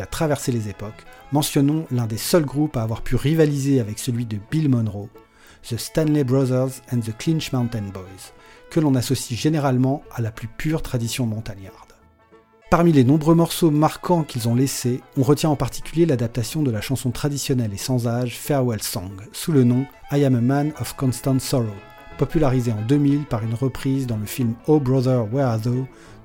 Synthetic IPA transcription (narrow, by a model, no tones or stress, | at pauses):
at̪χavɛʁselezepɔkmɑ̃sjɔnɔ̃lɛ̃d̪esœlɡʁupaːvwaʁpʰyʁivalizeavɛksəlɥid̪əbilmɔnʁo | z̥əst̪anlebʁɔzɛʁzɛ̃nzəklinʃmãw̃nt̪ɛnbɔjz | kəlɔ̃nasɔsiʒeneʁalmɑ̃alaplypʰyʁt̪χad̪isjɔ̃mɔ̃t̪anjaʁd̪̥ | paʁmilenɔ̃bʁømɔʁsomaʁkʰɑ̃kʲilzɔ̃leseɔ̃ʁət̪jɛ̃ɑ̃paʁt̪i̥kʲyljelad̪ap̚t̪asjɔ̃d̪əlaʃɑ̃sɔ̃t̪χad̪isjɔnɛlesɑ̃zaʒfɛʁwɛlsɔ̃ɡsulənɔ̃ | ajammanɔfkɔ̃nst̪ɑ̃nt̪sɔʁo | pɔpylaʁizeɑ̃d̪ømilpaʁynʁəpχizd̪ɑ̃ləfilmobʁɔðəʁwɛzo